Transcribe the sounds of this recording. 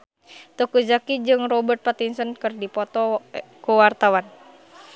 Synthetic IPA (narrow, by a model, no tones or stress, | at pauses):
t̪ukuzakid͡ʒɨŋrɔbərt̪̚pat̪insɔnkɨrdipɔt̪ɔkuwart̪awan